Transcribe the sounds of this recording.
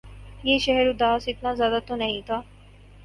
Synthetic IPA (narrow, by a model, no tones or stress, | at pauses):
jeʃɛɦɛɾud̪aːsɪt̪nazjaːd̪at̪onɐɦĩt̪a